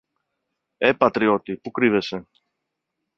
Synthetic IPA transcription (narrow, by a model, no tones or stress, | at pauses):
e̞pɐt̪ɾio̞t̪ipukɾive̞se̞